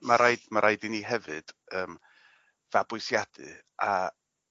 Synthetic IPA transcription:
maɾaɨdmaɾʔaɨdiniːɦɛvɨd̥əːm | vabʊsjad̥ɨ̰ | a

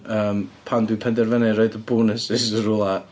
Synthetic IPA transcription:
əːmpʰandwipʰɛndɛrvɛnɨɾoɨdəbuːnɪsɪsərʊlˠa

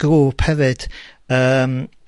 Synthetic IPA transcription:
ɡ̥ɾuːpʰhɛvɨd̥əːm

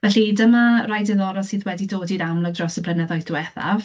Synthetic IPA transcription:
vɛɬidəmarajdɪðɔɾɔsiːðwɛdidoːdiɾamlˠɔɡ̚drɔsəb̥ʰlənɛðajdwɛθa̰v

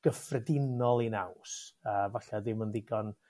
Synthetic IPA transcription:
ɡ̥əfrɛdɪnɔlˠinawsəːvaɬadɪməndɪɡɔn

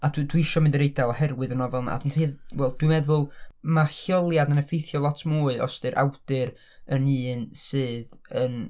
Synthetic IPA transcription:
adwdwiɪʃɔmɪndəɾejdalˠahɛrwɨðənɔvɛlˠna̰a̰dɪntʰiːðwɛlˠd̥wimɛðʊlˠmaxjɔlˠjadənəfejθjɔlˠɔtʰmuːɨʔɔ̰stɨɾʔa̰wd̥ɨɾ | ənɨːnsɨːðən

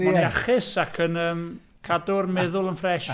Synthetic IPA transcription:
ɔniaχɪsakʰənəːm | kʰadʊrmɛðʊlˠənfrɛʃ

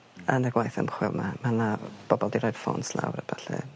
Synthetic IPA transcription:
anəɡwajθə̰mχwɪlˠmamanab̥ɔbɔlˠdiɾɔjd̥foːnsla̰wɾəb̥aɬɨ̰

